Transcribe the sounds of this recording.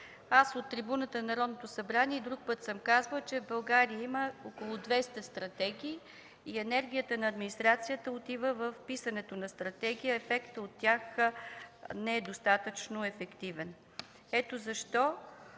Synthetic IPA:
asot̪ːɾibunət̪ənɐnɐɾɔd̪not̪osɐbɾaniɛid̪ɾuk̚pɤt̪səmkazvəlˠt͡ʃɛvbɐlˠɡaɾijəiməokolˠʊd̪vɛst̪ɐst̪ɾɐt̪ɛɡʲiː | ɛnɛɾɡʲijət̪ənɐːd̪minist̪ɾat̪sijət̪əot̪ivəvəfpisənɛt̪onɐst̪ɾɐt̪ɛɡ̟ijəɛfɛkt̪əot̪ːjax | nɛɛd̪ost̪at̪ət͡ʃnoɛfɛkt̪ivɛn | ɛt̪ozɐʃt̪ɔ

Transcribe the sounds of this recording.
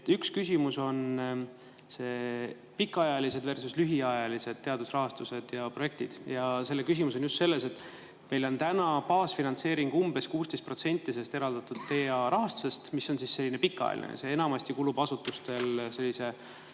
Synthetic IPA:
t̪ykskysʲimuso̞n | se̞ː | pikːˑɑjɑlise̞d̪ve̞rsuslyɦiɑjɑlise̞d̪̚t̪e̞ɑd̪̥usrɑɦɑst̪use̞d̪̥jɑpro̞je̞k̚t̪id̪̥jɑse̞lːekys̬ʲimus̬o̞njust̪se̞lːe̞se̞t̪ːˑ | me̞jlo̞nt̪ænɑpɑːsfinɑnt̪se̞ːɾiŋɡ̥umbe̞skuːst̪e̞jst̪pro̞t̪se̞nʲt̪ˑːis̬e̞st̪e̞ɾɑld̪̥ɑt̪ːˑud̪̥ːe̞ːɑɾɑɦɑst̪u̥se̞st̪misːo̞nsisse̞lːinepikːɑ̰jɑ̰lḭnḛj̰se̞e̞nɑmɑst̪ikuːlub̥ɑsut̪ːˑust̪e̞lse̞lːise̞

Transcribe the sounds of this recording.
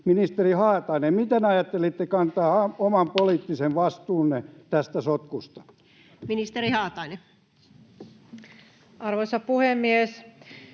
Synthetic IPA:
minist̪erihɑːt̪ɑinemmit̪enɑjɑt̪ːelit̪ːekɑnt̪ɑːɑomɑmpoliːt̪ːiseʋʋɑst̪uːnːet̪æst̪æsot̪kust̪ɑ̥ | minist̪erihɑːt̪ɑine | ɑrʋoisɑpuhemːies

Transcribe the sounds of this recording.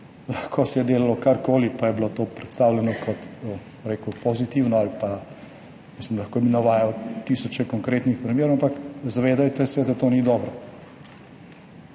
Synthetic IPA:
lɐxkʰoːsɛjɛd̪eːlalɔkaɾkoːlipajɛblot̪oːpɾɛt̪st̪awlʲɛnɔkʰɔt̪ə | ɾeːkwpɔzit̪iːwnɔalpa | mislimlaxkoːbinaʋaːjawt̪iːsɔt͡ʃɛkɔŋkɾeːt̪nixpɾɛmjeːɾoampakzaʋeːd̪ajt̪ɛsɛd̪at̪oːnid̪ɔːbɾɔ

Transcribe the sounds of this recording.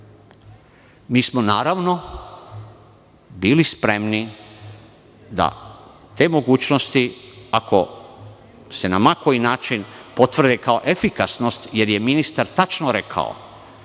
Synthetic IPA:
miːsmonaːɾaʋno̞ | biːlispɾemni | d̪a̰ | t̪e̞ːmo̞ɡuːt͡ɕno̞st̪iako̞ | se̞namakoinaːt͡ʃinpo̞t̪ʋr̩d̪ekao̞ʔe̞fikasno̞st̪je̞ɾje̞minist̪aɾt̪at͡ʃnoɾe̞kʰa̰o̰

